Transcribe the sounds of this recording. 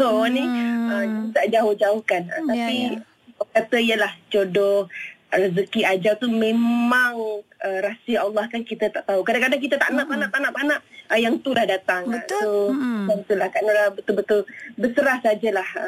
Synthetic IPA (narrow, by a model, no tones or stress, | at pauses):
sonĩəit̪aʔd͡ʒaʊhd͡ʒaʊhkanə̰t̪api | bəkat̪əijəlaht͡ʃodɔhrəzəkiad͡ʒawt̪umẽmmaŋəɾasəalːɑhkankit̪ət̪aʔt̪aukadaŋkadaŋk̬it̪ət̪aʔnaʔpanãʔp̪anaʔpanaʔəjaŋt̪ulahdat̪aŋsoaŋt̪ulahkanolabət̪ʊlbət̪ʊlbəsəɾahsad͡ʒalahə